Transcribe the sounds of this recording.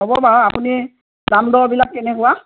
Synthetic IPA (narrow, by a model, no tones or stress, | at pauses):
ɦɔbɔbaɹɔapuni | damd̪ɔɹbilak̚ːɛnɛkʊwa